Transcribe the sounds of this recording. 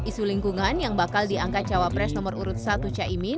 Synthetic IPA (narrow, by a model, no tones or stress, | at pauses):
isuliŋkuŋanjaŋbakaldiaŋkat̪̚t͡ʃawapɾɛsnɔməruɾut̪̚sat̪ut͡ʃaʔimin